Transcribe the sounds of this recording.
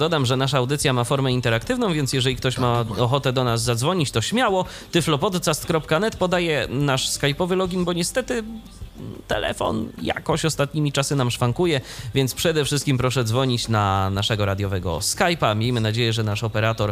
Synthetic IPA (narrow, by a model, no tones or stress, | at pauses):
d̪ɔd̪amʐɛnaʂaːwd̪ɘt̪sʲjamafɔɾmɛint̪ɛɾakt̪ɘvnɔ̃w̃vʲjɛnts̬ʲjɛʐɛlʲikt̪ɔɕmaɔxɔt̪ɛd̪ɔnazːad̪zvɔɲit͡ɕt̪ɔɕmʲjawɔ | t̪ɘflɔpɔd̪t̪sast̪kɾɔpkanɛt̪pɔd̪ajɛnaʂskajpɔvɘlɔɡʲinbɔɲɛst̪ɛt̪ɘ | t̪ɛ̰lɛ̰fɔ̰nja̰kɔɕɔst̪at̪̚ɲimʲit͡ʂasɘnamʂfaŋkujɛvʲjɛnspʂɛd̪ɛfʂɘst̪kʲimpɾɔʂɛd̪zvɔɲit͡ɕnanaʂɛɡɔɾad̪jɔvɛɡɔ̰skajpamʲjejmɘnad͡ʑejɛʐɛnaʂɔpɛɾat̪ɔɾ